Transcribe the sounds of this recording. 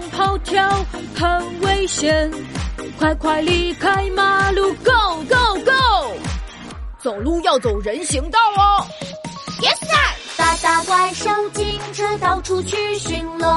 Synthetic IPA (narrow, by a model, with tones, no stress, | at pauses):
ŋpʰɑ˥ʊt̪ʰjɑ˥ʊxə˧˩nwe˥ɪɕjɛ˧˥nkʰwa˧˩ɪkʰwa˧˩ɪli˧˩kʰa˥ɪma˧lu˥˩ko˥˩ʊko˥˩ʊko˥˩ | t͡so˨˩ʊlu˥˧jɑ˥˩ʊt͡so˨˩ʊɻə˧˥nɕi˧˥ŋt̪ɑ˥˩ʊlə˧ | jɛ˧˥sa˥˩t̪a˥˧˩t̪a˥˧ka˥˩ɪʂo˥ʊt͡ɕi˥ŋʈ͡ʂʰɤ˥t̪ɑ˨˩ʊʈ͡ʂʰu˥t͡ɕʰy˥˧ɕy˧˥nlə˧